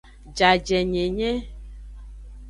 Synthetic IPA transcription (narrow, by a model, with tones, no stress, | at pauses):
d͡ʒa˨d͡ʒɛ˨ɲẽ˨ɲɛ̃˦